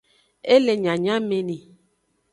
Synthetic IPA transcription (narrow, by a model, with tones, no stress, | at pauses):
e˦le˨ɲã˨ɲã˦me˨nẽ˨